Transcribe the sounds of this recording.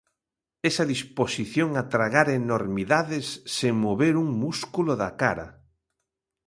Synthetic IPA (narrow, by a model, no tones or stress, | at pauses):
ɛsɐðisposiθjoŋat̪ɾaɣaɾenoɾmiðaðɪsːeŋmoβeɾuŋmuskuloðakaɾa̰